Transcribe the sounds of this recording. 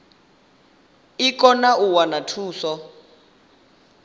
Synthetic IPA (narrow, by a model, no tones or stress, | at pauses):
ikɔnaʔuwanatʰuːsɔ